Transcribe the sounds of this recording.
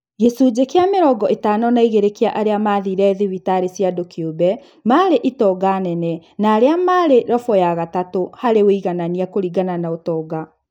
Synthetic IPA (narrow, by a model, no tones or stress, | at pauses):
ɣesud͡ʑekeameɾɔɡɔʔetaːnɔnaiɣeɾekeaʔaɾeamaðiɾɛðiβitaɾesjadokiobɛ | maɾeʔitɔɡanɛnɛnaːɾeamaɾeɾɔfɔjaɣatatohaɾeɣoiɣananiakoɾiɡananaotɔːɡa